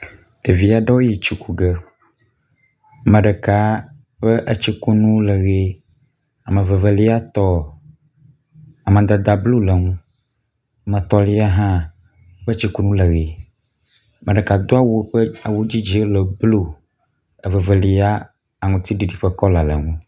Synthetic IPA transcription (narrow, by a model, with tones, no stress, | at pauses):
ɖ̥e˨vi˨a˨ɖɔ˦wi˨t͡ʃu˨ku˨ɡə˦ | mə̃˨ɖə˨ka˨ | ɸə˦ʔə˦t͡ɕi˦ku˦nũ˦lə˨ɣe˦ | a˨mə̃˨və˨və˨li˦a˦t̪ɔ˦ | a˨mə̃˨d̪a˨d̪a˨blu˦lə˨ŋũ˦˨ | mə̃˨t̪ɔ˨li˦a˦ɦã˦ | ɸə˦t͡ʃi˦ku˦nũ˦lə˨ɣe˨˦ | mə̃˨ɖɛ˨ka˨d̪o˦a˦wu˨˦ɸə˦a˨wu˦d͡ʑi˦d͡ʒi˦lə˨blu˦ | ə˨və˨və˨li˨a˦ | a˨ŋũ˨t̪i˦ɖi˨ɖi˨ɸə˦kɔ˦la˨lə̰˨ŋũ˦